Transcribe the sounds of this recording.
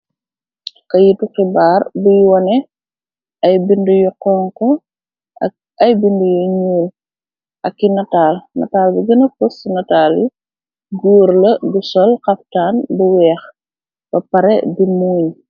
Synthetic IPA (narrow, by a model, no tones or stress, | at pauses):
kɐjitukibaːrbujwɐnɛ | ɐjbindujɔqɔːŋkɔ | ɐ | ɐjbindujuɲuːl | ʔɐkːinɐtaːlnɐ̰taːlbiɡɐnɐfusnɐtaːli | ɡuːɾlɐɡusɔlqɐptaːnbuwɛːx | bɐpɐɾɛ̰bimuːɲ